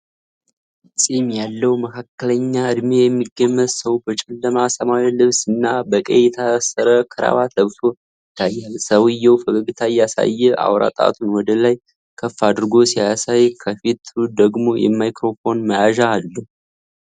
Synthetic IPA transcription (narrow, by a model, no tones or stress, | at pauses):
sʼimjalːəwməkʰakːələɲːaɨd̪mejɛmːiɡːəmːət̪səwbət͡ʃʼɛlːəmasəmawilɨβsɨnːabəkʼəjɛt̪ʰəasːəɾəkʰɨɾa̰βat̪ləβt̪ʰo̞ | ɪt̪ʰːajːalsəwɨjːɛwfəɡəɡɨt̪ʰajasa̰jːɛʔa̰wɾa̰t̪ʼa̰t̪ʰunwɔd̪əlaj | kʰəfːad̪ɨɾɡo̞siaasajkʰəfit̪ʰːud̪əɡmo̞jɛ̰mːajkɾo̞fo̞nməjaʒaːlːə